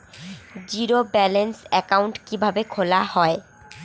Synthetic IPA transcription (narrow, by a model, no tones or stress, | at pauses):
d͡ʑiɾobɛlensɛkauɳʈkibʱabekʰolahɔe